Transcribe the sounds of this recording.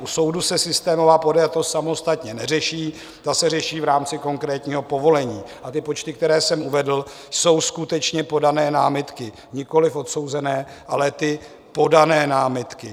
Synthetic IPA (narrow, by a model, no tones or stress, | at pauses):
ʔuso̞wdusɛsɪst̪ɛːmo̞vaːpodajat̪ossamo̞st̪at̪ɲɛnɛrɛʃiː | t̪asɛrɛʃiːvɾaːmt͡sɪko̞ŋkɾɛːt̪ɲiːɦo̞po̞vo̞lɛɲiːʔat̪ɪpo̞t͡ʃt̪ɪkt̪ɛɾɛːsɛmuvɛdl̩ | so̞wskut̪ɛt͡ʃɲɛpo̞danɛːnaːmɪt̪kɪ | ɲɪko̞lɪfot̪so̞wzɛnɛː | ʔalɛt̪ɪ | po̞danɛːnaːmɪt̪kɪ